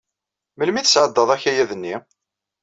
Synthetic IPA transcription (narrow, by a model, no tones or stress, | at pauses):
məlmiθsʕəd̪ːəðˤæçæjæðənːi